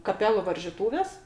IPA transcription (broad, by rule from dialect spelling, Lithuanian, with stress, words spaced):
kɐˈpʲæːlˠʊ ʋɐrʲʒʲiːˈtuːʋʲeːs